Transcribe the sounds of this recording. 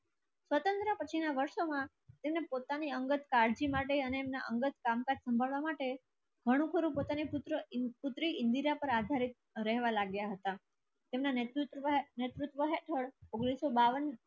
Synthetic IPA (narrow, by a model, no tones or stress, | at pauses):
sʋət̪ənt̪ɾəpət͡ʃʰinaʋəɾʃomã | t̪emnepot̪aniəŋɡət̪kaɾd͡ʒimaʈeəneːmnaʔəŋɡət̪kamkad͡ʒsəmbʱaɭʋamaʈe | ɡ̥ʱəɽ̃ũkʰəɾũpot̪aniput̪ɾəput̪ɾiɪnd̪iɾapəɾad̪ʱaɾit̪̚ | ɾəɦʋalaɡjaɦət̪a | t̪emnat̪ɾut̪net̪ɾut̪ʋəɦeʈʰəɭoɡɽ̃isobaʋən